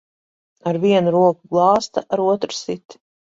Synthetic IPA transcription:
aɾviɛnuɾuɔkuɡlˠɑːst̪aʔaɾuɔt̪ɾsit̪

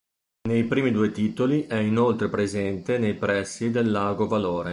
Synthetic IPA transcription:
nejpɾiːmid̪uːet̪iːt̪oliʔɛinolt̪ɾepɾezɛnt̪enejpɾɛsːid̪elːaːɡovaloːɾe

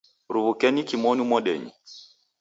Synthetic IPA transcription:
ɾuβukɛnikimɔnumɔɗɛɲi

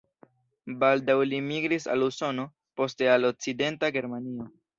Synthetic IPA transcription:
baldawlimiɡɾisa̰luso̞no̞ | po̞ste̞alo̞k̚t͡side̞ntaɡe̞ɾmanio̞

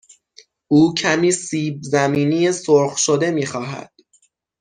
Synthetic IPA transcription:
ʔuːcʰæmiːsiːb̚zæmiːnijesoɾxʃod̪e̞miːxɒːɦæ̰d̪̥

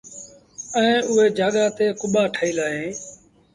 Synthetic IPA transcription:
ɛ̃ːʊɦeːd͡ʒaːɠaːt̪eːkʊɓaːʈʰːiːlaːɦẽː

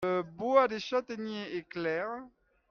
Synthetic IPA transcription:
əboad̪eʃat̪enjeeklɛːʁ

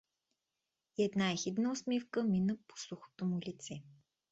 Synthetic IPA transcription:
iɛd̪naixid̪nəosmifkəminəpo̥suxo̥t̪omulʲit̪sɛ

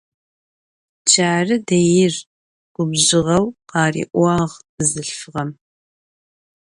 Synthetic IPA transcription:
d͡ʒʰaːrɨdɐjɪr | ɡ̥ʷʊbʑɪʁɐwqɑːrḭːʔʷɑːʁ | ɨzɨɬfɨʁɐm

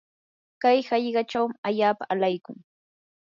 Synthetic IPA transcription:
kajhɑʎɢɑʈ͡ʂawmɪaʎaːpaːlajkʊŋ

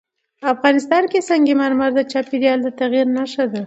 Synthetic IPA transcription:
afɣɑnɪst̪ɑnkesaŋɡemaɾmaɾd̪ət͡ʃɑpid̪jɑld̪ət̪aɣiɾnaʃad̪a

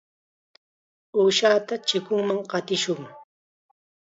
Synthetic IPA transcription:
uːʃaːt̪at͡ʃɪkʊŋmaŋqɑt̪ɪʃʊŋ

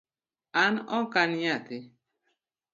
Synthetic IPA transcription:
anɔkanatɪ

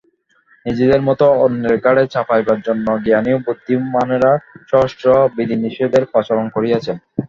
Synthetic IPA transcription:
nid͡ʑed̪eɾmɔt̪oonːeɾɡaɽet͡ɕapʰajbaɾd͡ʑonːoɡianiobud̪ʱːiːaneɾaʃɔɦoʃʈɾobid̪iniʃiod̪eɾpɔt͡ɕoɾonkoɾiat͡ɕʰen

